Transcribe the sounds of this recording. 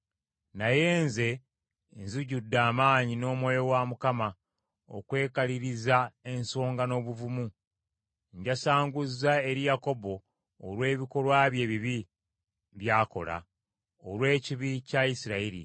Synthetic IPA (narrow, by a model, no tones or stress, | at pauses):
naje̞ːnze̞ | nzuɟudːaːmaːɲino̞ːmwejo̞wamukama | o̰kwe̞ːkaliɾizae̞nso̞ːŋɡano̞βuvumu | ɲɟasaːŋɡuzːae̞ɾijako̞bo̞ː | lwe̞ːβiko̞lwaβje̞ːβiβi | βjaːko̞̰la̰ | olwe̞ːciβicaisiɾaiɾḭ